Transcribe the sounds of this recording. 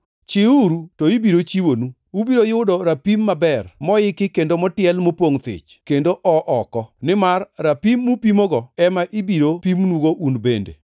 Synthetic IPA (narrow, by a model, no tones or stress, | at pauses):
t͡ʃɪuɾutoibiɾot͡ʃiwonu | ubiɾojʊʊdoɾapimːabɛrmɔɪkɪkendomɔtɪɛlmopoŋt̪ɪ̰t͡ʃkendoʔɔʔɔkɔnɪmarːapimːupimɔɡɔɛmaʔibiɾopimnuɡoʔunbendḛ